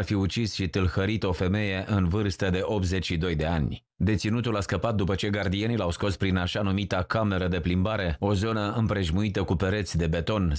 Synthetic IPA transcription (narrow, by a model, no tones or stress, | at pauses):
arfiut͡ʃisʃit̪ɨlhəɾit̪o̞fe̞me̞je̞ʔɨnvɨrst̪əd̪e̞ʔo̞p̚t̪ze̞t͡ʃʲʃid̪o̞jd̪e̞anʲ | d̪e̞t̪sinut̪ulaskəpat̪̚d̪upət͡ʃe̞ɡard̪ije̞nilawsko̞spɾinaʃanumit̪akame̞ɾəd̪e̞plimbaɾe̞o̞zo̞nəɨmpɾe̞ʒmuit̪əkupe̞ɾe̞t̪sʲd̪e̞be̞t̪o̞n